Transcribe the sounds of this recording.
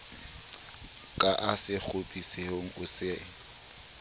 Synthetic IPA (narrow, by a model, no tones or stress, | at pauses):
kʼaʔasɪk͡xʰopʼisehoŋ̩ʔʊseŋ̩